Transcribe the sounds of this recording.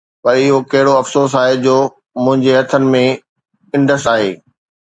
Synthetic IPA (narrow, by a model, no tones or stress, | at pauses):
pɐɾɪɦokɐɦɪɽoɐfsoːs̬aːɦed͡ʑoː | mʊ̃ɦɪ̃ɲd͡ʑeɦɐt̪ʰənɪ̆mẽ | ɪ̃ɳɖəsʈaːɦḛː